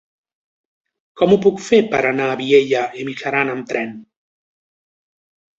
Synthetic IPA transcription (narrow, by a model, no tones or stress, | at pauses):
kɔmupukfepəɾanaːβieʎaemiʃaɾanamt̪ɾɛn